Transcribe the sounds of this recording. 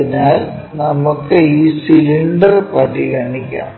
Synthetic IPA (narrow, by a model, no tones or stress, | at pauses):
inaːl | nɐmukːɨiːsiliɳɖɐrpɐɾiɣɐɳikʲːa̰ː